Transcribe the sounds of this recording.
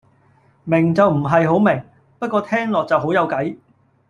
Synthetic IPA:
mɪ˨˩ŋt͡sɐ˨wm̩˨˩ɦɐ˨jɦo˨˥wmɪ˨˩ŋ | pɐ˥kʷːɔː˧t̪ʰɛː˥ŋlɔː˨k̚t͡sɐ˨wɦo˨˥wjɐ˨˧wkɐ˨˥j

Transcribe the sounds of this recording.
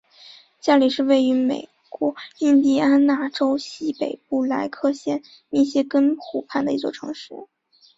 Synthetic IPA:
t͡ɕja˥˧li˥˩ʂɻ̩˥˧we˥˩ɪy˧˥mḛ˨˩ɪ | kwɔ˧˥i˥˧nt̪i˥˩a˥nna˥˩ʈ͡ʂo˥ʊɕi˥pe˨˩ɪpu˥˩la˧˥ɪkʰɤ˥˧ɕjɛ˥˧n | ni˥˩ɕjɛ˥kə˥nxʰu˨˩pʰa˥˩nd̪ə˩i˧˥t͡swɔ˥˩ʈ͡ʂʰɤ̰˧˥ŋʂṵ˥˩

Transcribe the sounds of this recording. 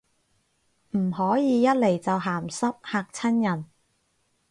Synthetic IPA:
m̩˨˩ɦɔː˨˥jiː˨˧jɐ˥t̚le˨˩jt͡sɐ˨wɦaː˨˩msɐ˥p̚haː˧k̚t͡sʰɐ˥njɐ˨˩n

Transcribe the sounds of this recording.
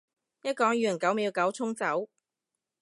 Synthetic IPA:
jɐ˥t̚kɔː˨˥ŋjyː˨˩ə˨˩nkɐ˨˥wmiː˨˧kɐ˨˥wt͡sʰʊ˥ŋt͡sɐ˨˥w

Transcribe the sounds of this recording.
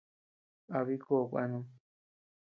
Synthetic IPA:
a˧βi˦ko˦˨˧kʷa̰˧nũ˦

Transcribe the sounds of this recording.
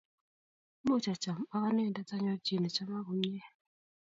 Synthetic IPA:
mo˦˨t͡ʃa˨t͡ʃa˨m̩˨a˦ka˦ne˦˨da˦ta˦ɲɔ˦d͡ʒi˦˨nɛ˨t͡ʃa˦ma˦ɣu˦ɲ˦ɛ˦

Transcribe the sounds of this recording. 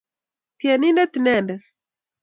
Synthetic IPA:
t̪ia˨ni˦ndɛ˦t̪inɛndɛ˨

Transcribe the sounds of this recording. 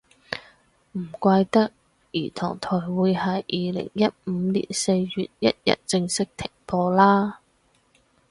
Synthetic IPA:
m̩˨˩kʷaː˧jt̪ɐ˥k̚ | jḭː˨˩t̪ʰɔː˨˩ŋt̪ʰɔ˨˩jwuː˨˧jhɐ˨˥jʔiː˨lɪ̰˨˩ŋjɐ˦˥t̚m̩ː˨˧lḭ˨˩nse˧jɥy̰ː˨˩t̚jɐ̰˥t̚jɐ̰˥t̚t͡sɪ˧ŋsɪ˥k̚t̪ʰɪ˨˩ŋpɔː˧laː˥

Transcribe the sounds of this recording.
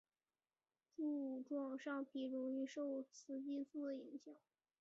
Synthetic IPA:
ʈ͡ʂu˥˧u˨˩ʈ͡ʂwɑ˥˩ŋʂɑ˥˩ŋpʰi˧˥˩ɻʊ˧˥ŋy˥˧ʂo˥˩ʊt͡sʰɹ̩˧˥t͡ɕi˥˧t͡s̩˥˩d̪ə˩i˧˥ŋɕjɑ˨˩˦ŋ

